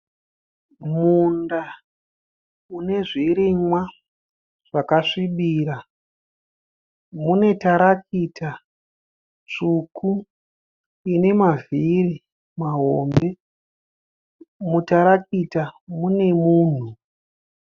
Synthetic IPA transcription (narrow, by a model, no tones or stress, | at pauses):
munda | une̞ʐiɾimwa | ʐ̥akaʂiɓiːɾa | mune̞taɾakita | t͡ʂukʰu | ine̞maviri | maɦoːmbe̞ | mutaɾakitamune̞muːn̤u